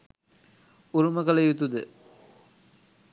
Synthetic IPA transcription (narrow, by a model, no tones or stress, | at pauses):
uɾumɐkɐlɐjut̪ud̪ə